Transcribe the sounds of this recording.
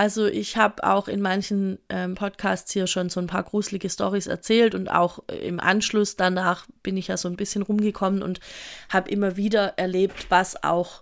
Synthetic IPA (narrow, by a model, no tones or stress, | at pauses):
ʔalzoʔɪçhaːbəʔa̰ʊxɪnmançn̩ʔɛmpʰɔtkʰaːstshiːɐʃoːnzoːnpʰaːɐɡ̥ʁuːzlɪɡəstɔʁisɛ̰ɐt͡sɛːltʊnta̰ʊxɪ̰mʔa̰nʃlʊsd̥anaːχb̥ɪnɪçjaːzoːnbɪsçənʁʊmɡəkʰɔmənʊ̰nthaːbəʔɪmɐviːdɐʔɛɐleːp̚tv̥asa̰ʊx